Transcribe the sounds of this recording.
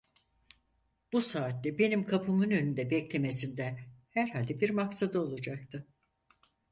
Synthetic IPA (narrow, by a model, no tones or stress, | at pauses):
b̥usaːt̪lʲɛbe̞nimkʰapʰɯmɯnønynd̪ɛbɛclʲe̞me̞sind̪ɛhæɾɦalʲd̪ɛbiɾmaksad̪ɯo̞lˠud͡ʒak̚t̪ʰɯ